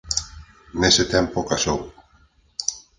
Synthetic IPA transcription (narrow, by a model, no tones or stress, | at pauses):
neset̪ɛmpokasow